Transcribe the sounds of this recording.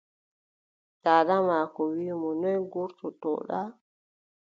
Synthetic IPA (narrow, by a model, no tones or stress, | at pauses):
taɗamakɔwimɔnɔjɡuɾtɔtɔ̰ɗa